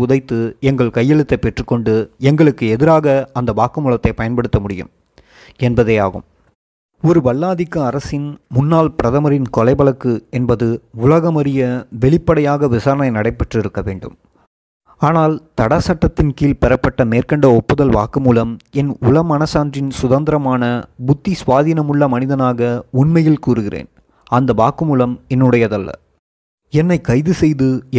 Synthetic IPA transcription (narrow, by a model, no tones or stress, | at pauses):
ʊðɐɪt̪ːɯɛŋɡɐɭkɐjːɛɭɯt̪ːɐɪpːɛʈrɯkːɔɳɖɯɛŋɡɐɭɯkːɯɛðɪɾaːɣɐɐnd̪ɐʋaːkːɯmuːlɐt̪ːɐɪpɐjɐnpɐɽɯt̪ːɐmʊɽɪjɯ̰m | ɛnbɐðɐa̰ːɣɯ̰m | ɔɾɯʋɐɭːaːðɪkːɐːɾɐsɪnmʊnːaːlpɪɾɐðɐmɐɾɪnkɔlɐɪbɐlɐkːɯɛnbɐðɯʊlɐɣɐmɐɾɪjɐʋɛɭɪpːɐɽɐjaːɣɐʋɪsaːɾɐnɐɪnɐɽɐɪpːɐʈrɪɾɯkːɐʋeːɳɖɯ̰m | aːnaːlt̪ɐɽasɐʈːɐt̪ːɪnkiːlpɛɾɐpːɐʈːɐmeːrkɐɳɖɐɔpːɯðɐlʋaːkɯmuːlɐmɛnʊlɐmɐnɐsaːndrɪnsʊðɐnd̪ɪɾɐmaːnɐbʊt̪ːisʋaːðiːnɐmʊɭːɐmɐnɪðɐnaːɣɐʊɳmɐjɪlkuːɾɯɣɪrḛːn | ɐnd̪ɐʋaːkɯmuːlɐmɛnːɯɽɐjɐðɐlːɐ̰ | ɛnːɐɪkɐɪðɯsɛjðɯ